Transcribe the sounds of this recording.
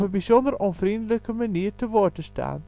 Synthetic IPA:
pənbizɔndərɔnvrindələkəmaniːrtəvoːrtəsta̰ːn

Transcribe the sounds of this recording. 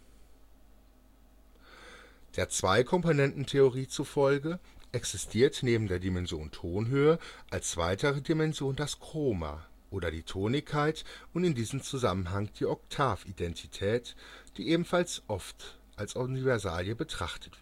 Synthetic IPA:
d̥eːɐt͡sv̥aɪkʰɔmponɛntn̩tʰeoʁiːt͡sufɔlɡəʔɛksɪstʰiːɐtneːbm̩deːɐdimɛnzjoːntʰoːnɦøːəʔalst͡sv̥a̰ɪtʰəʁədimɛnzjoːndaskʁ̥oːma̰ | ʔoːdɐdiːtʰoːnɪçkʰːaɪtʊntɪndiːzəm̩t͡suzamənɦaŋd̥iːɔk̚tʰaːfidɛntʰitʰɛːtd̥iːʔeːbm̩falsʔɔft | ʔalsʔonivɛɐza̰ːljəbətʁ̥a̰χtʰə̥tv̥

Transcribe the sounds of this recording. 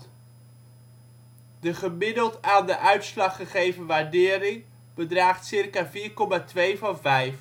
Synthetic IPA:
dəχəmɪdəlˠtaːndəʔœɥtslɑχəχejvənʋaːɹdɪːɾɪŋ | b̥ədraːχtsɪrkaːviːɹkɔmaːtʋejvɑnvɛjf

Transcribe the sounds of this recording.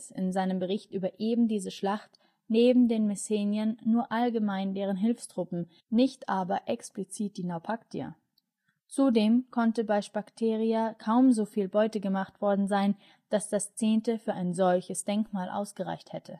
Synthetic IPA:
sɪnzaɪnəmbəʁ̞ɪçtʔyːbɐʔeːbm̩diːzəʃlaχt | neːbm̩deːnmɛseːnjɐnːuːɐʔalɡəmaɪndeːʁ̞ənɦɪlfstʁ̥ʊpm̩ | nɪçtʔaːbɐʔɛksplit͡siːt̚d̥iːnaʊpʰaktʰia̰ | t͡sudeːmkʰɔntəbaɪʃpaktʰeːʁ̞iakʰaʊmzoːfiːlbɔʏtəɡəmaχtv̥ɔɐdn̩zaɪn | d̥asd̥ast͡seːntəfyːɐʔaɪnzɔlçəsd̥ɛŋkmaːlʔa̰ʊsɡ̥əʁa̰ɪçthɛtʰə

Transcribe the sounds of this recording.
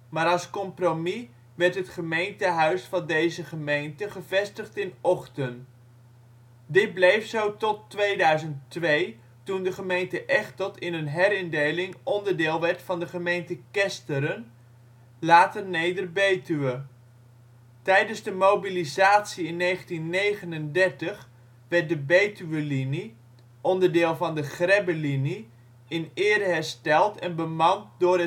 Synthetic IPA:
maːɾɑlˠskɔmpromi | ʋɛɹtɦətχəmejntəɦœɥsfɑndejzəχəmejntəχəvɛstəχtɪnɔχtən | dɪt̚blejfsowtɔtʋejdœɥzənttʋej | tundəχəmejntəʔɛχtɔtɪnənɦɛɾɪndejlɪŋɔndəɹdɪːlˠʋɛɹtfɑndəχəmejntəkɛstəɾən | laːtərnejdərbejtyʋə | tɛjdənzdəmowbilizaːtsiɪnːejχəntinːejχənəndɛɹtəχ | ʋɛɹt̚dəbejtyʋəlini | ʔɔndəɹdɪːlˠvɑndəχrɛbəlini | ɪnɪːdəɦɛɹstɛlˠtɛnbəmɑntdʊːɾə

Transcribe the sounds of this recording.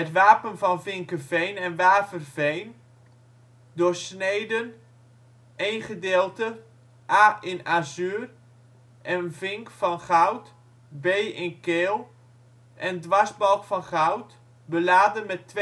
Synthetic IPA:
ɦətʋaːpənvɑnfɪŋkəvejnɛnʋaːpərvejn | dʊːɹsnejdən | ejnχədeːlˠtə | ʔaːɪnazyːr | ʔɛnənvɪŋkfɑnχawt | bejʔɪnkeːlˠ | ʔɛndʋɑzbɑlˠkfɑnχawt | bəlaːdənmɛtːʋ

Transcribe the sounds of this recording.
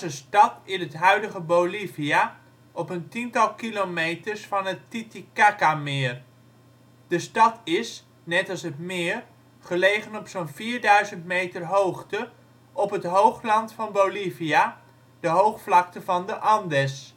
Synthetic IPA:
zəstɑtɪnətɦœɥdəχəbowlivia | ʔɔpəntintɑlˠkilomejtəɹsfɑnətːitikakamɪːr | d̥əstɑtɪs | nɛtɑlˠsətmɪːr | χəlejχənɔpsonviːɹdœɥzəntmejtərɦowχtə | ʔɔpɦətɦowχlɑntfɑnbowlivija | d̥əɦowχflɑktəvɑndəʔɑndɛs

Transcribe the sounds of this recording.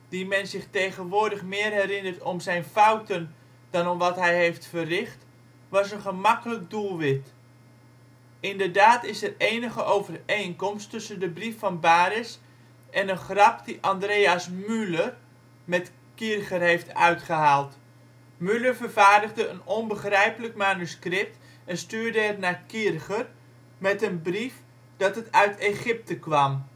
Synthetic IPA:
d̥imɛnzɪχtejχənʋʊːɹdəχmɪːərɦɛrɪnərtɔmzɛjnfawtən | d̥ɑnɔmʋɑtɦɛjɦejftfərɪχt | ʋɑsənχəmɑkələk̚dulˠʋɪt | ɪndəɹdaːtɪsɛreːjnəχəʔowvərejnkɔmstɵsəndəbrifːɑnbaːɾɪs | ʔɛnənχrɑpdiʔɑndreːasmylər | mɛt | kirχərhejftœ̰ɥtχəɦaːlˠt | myləɹvərvaːɹdəχdəənɔnbəχrɛjpələkmaːnyskrɪp̚t | ɛnstyːɹdəɛrnakirχər | mɛtənbrif | d̥ɑtətœɥteχɪp̚təkʋɑm

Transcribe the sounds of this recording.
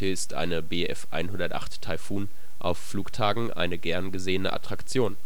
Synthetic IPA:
iːɐɪstʔa̰ɪnəbeːʔɛfʔa̰ɪnɦʊndɐtʔa̰χtʰːaɪfuːn | ʔa̰ʊfːluːktʰaːɡŋ̩ʔa̰ɪnəɡɛɐnɡəzeːənə̰ʔa̰tʁ̥akt͡sjoːn

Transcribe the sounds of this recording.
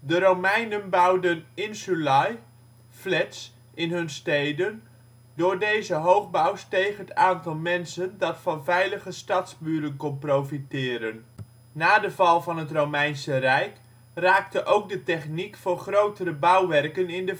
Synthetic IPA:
dəɾowmɛjnənbʌwdənɪnsulɑj | flɛts | ʔɪnɦɵnstejdən | dʊːɹdejzəɦowχbawstejχəətaːntɑlˠmɛnsəndɑtfɑnvɛjləχəstɑtzbyːɾənkɔnprowfitɪːɾənː | aːdəvɑlˠvɑnɦətrowmɛjnsərɛjk | raːk̚təʔowk̚dətɛχnikfʊːrχrowtərəbʌwʋɛrkənɪndə

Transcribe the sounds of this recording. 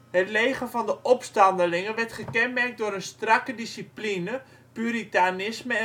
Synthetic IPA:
ɦətlejχəvɑndəʔɔpstɑndəlɪŋənʋɛrtχəkɛnmɛrk̚dʊːɾənstrɑkədisiplinə | pyɾitanɪsməɛ

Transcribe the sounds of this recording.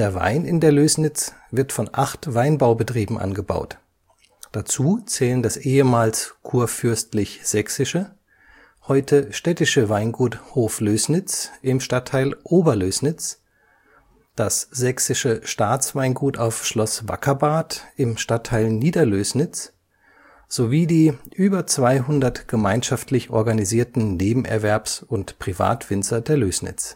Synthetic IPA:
d̥eːɐva̰ɪnɪndeːɐløːsnɪt͡sv̥ɪɐtfɔnʔaχtv̥aɪnbaʊbətʁ̥iːbm̩ʔa̰nɡəba̰ʊt | d̥at͡suːt͡sɛːləndasʔeːəmaːlskʰuːɐfʏɐstlɪçz̥ɛksɪʃə | hɔʏtʰəʃtɛtɪʃəvaɪnɡuːthoːfløːsnɪt͡sʔɪmʃtatʰːaɪlʔoːbɐløːsnɪt͡s | d̥asz̥ɛksɪʃəʃtaːt͡sv̥aɪnɡuːtaʊfʃlɔsv̥a̰kʰɐbaːtʔɪmʃtatʰːaɪlniːdɐløːsnɪt͡s | z̥oviːdiːʔyːbɐt͡sv̥aɪɦʊndɐtɡ̥əmaɪnʃaftʰlɪçʔɔ̰ɐɡaniziːɐtn̩neːbm̩ʔɛ̰ɐvɛɐpsʊntpʁ̥iva̰ːtv̥ɪnt͡sɐdeːɐløːsnɪ̰t͡s

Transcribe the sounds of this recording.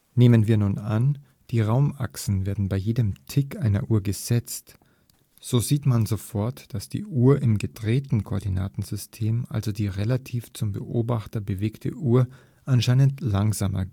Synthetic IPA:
neːmənviːɐnuːnan | d̥iːʁaʊmʔa̰ksn̩veːɐdn̩baɪjeːdəmtʰɪkʔaɪnɐ̰ʔuːɐɡəz̥ɛt͡st | z̥oːziːtmanzofɔɐtd̥asd̥ḭːʔuːɐʔɪmɡədʁeːtn̩kʰoʔːɐdina̰ːtn̩zʏstʰeːmʔa̰lzodiːʁelatʰiːft͡sʊmbə̰ʔo̰ːbaχtɐbəveːktʰə̰ʔuːɐ | ʔanʃaɪnəntlaŋzaːmɐ̰

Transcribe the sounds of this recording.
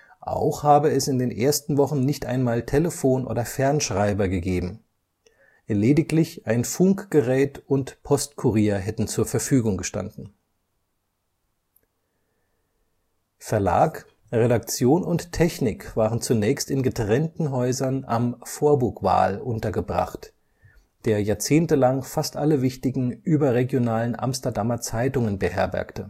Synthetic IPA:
ʔa̰ʊxhaːbəɛsɪndeːnʔeːɐstn̩vɔχn̩nɪçtʔa̰ɪnmaːltʰeləfoːnʔo̰ːdɐfɛɐnʃʁ̥aɪbɐɡəɡeːbm̩ | leːdɪklɪçʔaɪnfʊŋkɡ̥əʁɛːtʊntpʰɔstkʰuʁiːɐɦɛtn̩t͡suːɐfɛɐfyːɡʊŋɡəʃta̰ndn̩ | fɛɐla̰ːk | ʁeɾakt͡sjoːnʊnttʰɛçnɪkv̥aːʁənt͡sunɛːçstɪnɡətʁ̥ɛntn̩ɦɔʏzɐnamfoːɐbʊɐkva̰ːlʔʊntɐɡəbʁa̰χt | d̥eːɐjaːɐt͡seːntəlaŋfastʔaləvɪçtɪɡŋ̩ʔyːbɐʁeɡjonaːlənʔa̰mstɐdamɐt͡saɪtʊŋənbəhɛɐbɛ̰ɐktə

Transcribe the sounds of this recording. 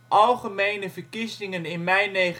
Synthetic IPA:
ʔɑlˠχəmejnəvəɹkizɪŋənɪnmɛjnejχ

